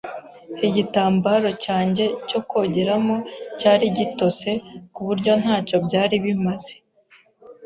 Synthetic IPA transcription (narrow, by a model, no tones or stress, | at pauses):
hiɟitaːmbaɾo̞caːɲɟe̞co̞ko̞ːɟe̞ɾamo̞caːɾiɟito̞se̞kuβuɾɟo̞n̥haːco̞bɟaːɾiβimaz̥e̞̥